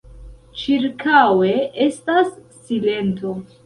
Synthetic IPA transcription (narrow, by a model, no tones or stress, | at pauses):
t͡ʃiɾkawe̞e̞stasː | ile̞nto̞